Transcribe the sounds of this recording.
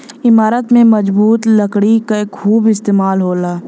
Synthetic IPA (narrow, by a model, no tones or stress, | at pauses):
ɪmaːɾət̪mẽməd͡ʒbuːt̪ləkɽikaekʰːuːbɪst̪eːmaːlɦoːlaː